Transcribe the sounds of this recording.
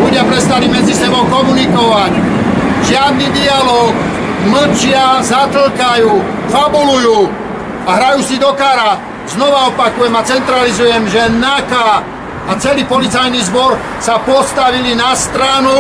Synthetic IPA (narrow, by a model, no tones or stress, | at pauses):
luɟɪapɾɛst̪alimɛd͡zisɛbɔʊkɔmunikɔʋac | ʒɪad̪nid̪ialɔːk | ml̩t͡ʃɪazat̪l̩kajuː | fabulujuː | aɦɾajuːsid̪ɔkaːɾa | znɔʋaɔpakujɛmat͡sɛnt̪ɾalizujɛmʒɛnakaː | t͡sɛliːpɔlit͡sajnizbɔɾ | sapɔst̪aʋilinast̪ɾanu